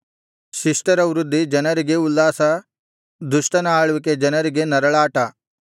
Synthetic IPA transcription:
ʃiʂʈɐɾɐʋɾud̪ʱːid͡ʒɐnɐɾiɡe̞ulːaːsɐ | d̪uʃʈɐnɐaːɭuʋik̬ed͡ʒɐnɐɾiɡe̞nɐɾɐɭaːʈɐ

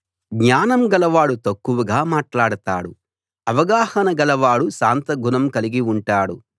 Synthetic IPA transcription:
ɡɲaːnɐmɡɐlɐʋaːɽut̪ɐkːuʋuɡaːmaːʈlaːɽut̪a̰ːɽu | ɐʋɐɡaːhɐnɐɡɐlɐʋaːɽuʃaːnt̪ɐɡʱunɐmkɐliɡiuɳʈaːɽu

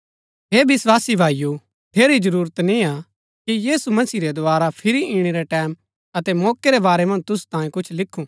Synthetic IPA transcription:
ɦeːbɪswaːsibʱaːiju | t̪ʰeːɾid͡ʒɐɾuːɾət̪nĩa | kijiːsumɐsiːɾed̪ʊaːɾapʰɪɾiʔiːɽ̃eɾɛʈɛːm | ɐt̪ɛmɔːkeɾebaːɾemɐ̃nd͡ʒt̪ʊsu̥t̪ãːiẽkʊt͡ʃʰlɪkʰːũ

